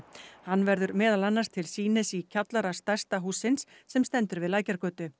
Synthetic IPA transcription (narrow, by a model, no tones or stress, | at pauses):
hanːvɛɾðʏɾmɛːðalanːḁst̪ʰɪlsiːnɪsicʰat̪laɾast̪ajst̪aɦuːsːɪnsːɛmst̪ɛnt̪ʏɾvɪðlaːjcaɾkœːt̪ʏ